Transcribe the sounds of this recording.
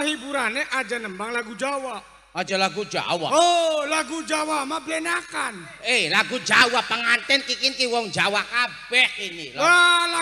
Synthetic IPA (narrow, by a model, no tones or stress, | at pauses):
ɦibuɾaneʔad͡ʒanəmbaŋlaɡud͡ʒawaʔ | ad͡ʒalaɡud͡ʒa̰wa̰olaɡud͡ʒawamabəlɛnakan | ehlaɡud͡ʒawapəŋant̪ɛnkikinkiwɔŋd͡ʒawakabɛkinilala